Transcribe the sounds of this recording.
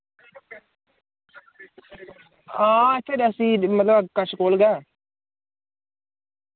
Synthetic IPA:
ãːɪt̪ʰːeːɾəsĩːmət̪ləbkəʃkoːlɡɛ̃ː

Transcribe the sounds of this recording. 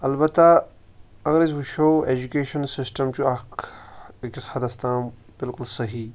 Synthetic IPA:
ɐlbɐt̪ːa | ɐɡɐɾis̬ʋuʃoːeːd͡ʒukeːʃɐnsɪsʈɐmt͡ɕuɐk | kishɐd̪ɐst̪ãːm | b̥ɪlkʊlsɐɦiː

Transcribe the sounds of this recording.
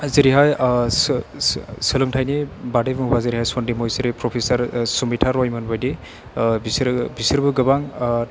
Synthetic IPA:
ziɾiɦajs | sɯlɯŋtʰajnibadebɯŋbaziɾiɦajsɔndimojsiɾipɾɔpʰesaɾsumitʰaɾɔjmɯnbajdi | bisɾbisɯɾbɯɡɯbaŋ

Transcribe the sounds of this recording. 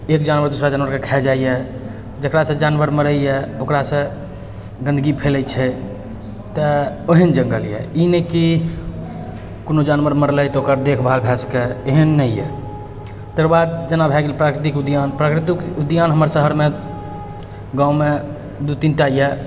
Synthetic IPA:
ekd͡ʒanʋəɾd̪usɾad͡ʒanwəɾkekʰɛd͡ʒaijɛ | d͡ʒəkɾasə̃d͡ʒanʋəɾməɾəjjɛokɾasə̃ | ɡə̃nd̪əɡipʰelɛjt͡ʃʰɛ | t̪əoɦənd͡ʒə̃ŋɡəljɛ̰ineki | konod͡ʒanʋəɾməɾləjt̪okəɾd̪ekʰbʱalbʱɛskeeɦənːəijɛ̰ | t̪əkɾbad̪d͡ʒənabʱɛɡelpɾakɾit̪̬ikud̪ijanpɾakɾit̪ikud̪janɦəməɾsəɦəɾme | ɡãme | d̪ut̪inʈaijɛ

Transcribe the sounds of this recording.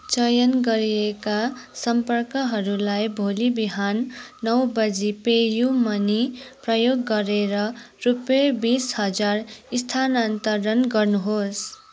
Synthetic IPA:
t͡sʌjʌnɡʌɾiekasʌmpʌrkʌɦʌɾulajbʱolibiɦanːʌwbʌd͡zipejumʌniprʌjoɡːʌɾeɾʌ | rupʌbishʌd͡zarist̪ʰanant̪ʌrʌnɡʌrnuɦos

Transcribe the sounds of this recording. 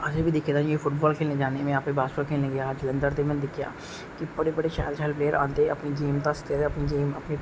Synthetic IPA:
ɐd͡ʒəbʱid̪ɪkʰed̪ãefʰʊʈbɔːlkʰeːlnẽd͡ʒaːnemẽaːpebaːsəkʰeːlnẽɡɐjad͡ʒlə̃nd̪əɾt̪emɛ̃ːnd̪ɪkʰja̰ː | kibɐɽebɐɽeʃaːlt͡ʃʰaːɪlpleːəɾʔã̰ːnd̪eɐpnid͡ʒeːmt̪ast̪eɾɐpnid͡ʒeːmɐpni

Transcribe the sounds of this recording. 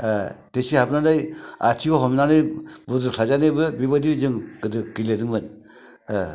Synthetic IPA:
tesihapnanaja̰tʰiɔɦɔmnanɯjbuduksʰazanɯbɯbibadizɯŋdɯɡiledɯŋbɯn

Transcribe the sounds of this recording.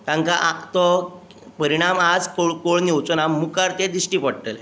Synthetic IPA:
t̪ãŋkaʔat̪ɔ | pəɾiɽ̃amad͡zkoɭkoɭniwt͡sɔnamːukaɾt̪ed̪isʈipəɽʈ̪əl

